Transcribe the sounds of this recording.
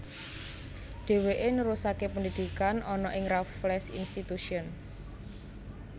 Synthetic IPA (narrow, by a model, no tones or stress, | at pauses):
ɖ̪̥e̤weʔenəɾusakepəndid̪̥i̤kanɔnɔʔɪŋrafflɛsḭnst̪it̪uʃiɔn